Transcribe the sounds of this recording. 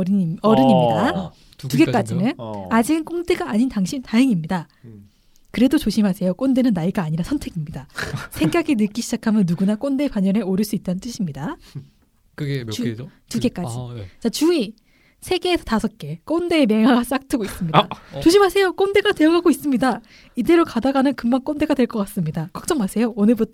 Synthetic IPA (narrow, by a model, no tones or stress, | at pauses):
ʌɾɯɲimɲida | tuɡe̞k͈ad͡ʑinɯnad͡ʑiɯnk͈oŋdeɡaːɲintaŋɕʰintaɯŋimɲida | kɯɾe̞dot͡ɕoɕʰimɦasʰe̞jok͈onde̞nɯnːaiɡaːɲiɾasʰʌntʰe̞ɡimɲidasʰeŋɡaɡinɯk͈iɕʰid͡ʑakʰamjʌnːuɡunak͈onde̞paɲʌne̞oɾɯɭs͈uit̚t͈anɯnt͈ɯɕʰimɲida | kt͡ɕ | t͡ɕuɡe̞k͈ad͡ʑiit͡ɕat͡ɕui | sʰe̞ɡe̞ːsʰʌtasʰʌt̚k͈e̞k͈onde̞ːmjeŋɦaɡas͈ak̚tʰɯɡois͈ɯmɲiat͡ɕoɕʰimɦasʰe̞jok͈onde̞ɡadwe̞jʌɡaɡois͈ɯmɲida | ide̞ɾokadaɡanɯnkɯmmaŋk͈onde̞ɡadwe̞ɭk͈ʌk͈as͈ɯmɲidakwak̚t͡ɕ͈ʌŋmasʰe̞joonɯɭbutʰ